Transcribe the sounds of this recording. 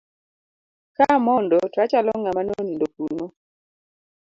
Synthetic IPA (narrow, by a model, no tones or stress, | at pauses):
kamɔndɔtat͡ʃalɔŋamanonindokuno